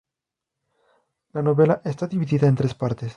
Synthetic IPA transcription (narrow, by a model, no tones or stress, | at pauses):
lano̞βelaʔest̪aðiβiðiðaent̪ɾe̞spaɾt̪es